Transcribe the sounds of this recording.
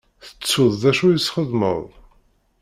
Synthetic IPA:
θə̥t͡sːʊðˤðæʃujisχəðmə̰ðˤ

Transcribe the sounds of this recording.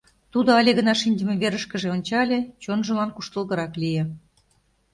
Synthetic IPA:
t̪ud̪oɑlʲeɣənɑʃinʲd̪ʲə̆meβeɾəʃkə̆ʒeonʲt͡ɕɑlʲet͡ɕonʒə̆lɑnkuʃt̪ə̆lɣə̆ɾɑklʲije

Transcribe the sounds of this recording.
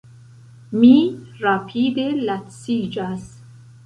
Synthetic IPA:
miɾapʰiːd̪elat̪siːd͡ʒas

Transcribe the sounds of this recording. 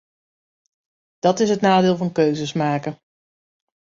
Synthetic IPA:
d̥ɑtɪsɦətnaːdɪːlˠvɑnkøɥzəsmaːkə

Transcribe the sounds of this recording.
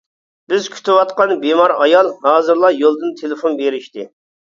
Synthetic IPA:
b̥ɪz̥kʲʰy̥t̪ɪwɑt̪qɑnbemɑɾɑjɑlˠɦɑːzɨɾlˠɑjolˠd̪ɨnt̪ʰelɪfonbeɾɪʃt̪ɪ

